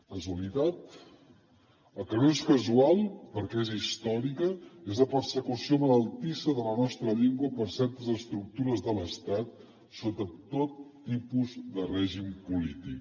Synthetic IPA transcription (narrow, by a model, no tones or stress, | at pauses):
kəzuəlit̪at̪̚ | əlˠkənoeskəzualˠpəɾkɛezist̪ɔɾikəezləpəɾsəkusiomələlˠt̪isəðələnɔst̪ɾəʎeŋɡwəpəɾsɛɾt̪əzəst̪ɾuk̚t̪uɾəzðələst̪at̪̚ | sot̪ət̪ot̪ːipuzðərɛʒimpulit̪ik̚